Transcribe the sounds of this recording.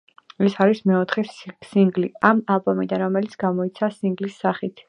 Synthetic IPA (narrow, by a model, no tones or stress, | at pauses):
ɛsaɾismɛɔt̪ʰχɛsiŋɡliamalˠbɔmid̪anɾɔmɛlit̪sʰɡ̥amɔit̪sʰasiŋɡlisːaχit̪ʰ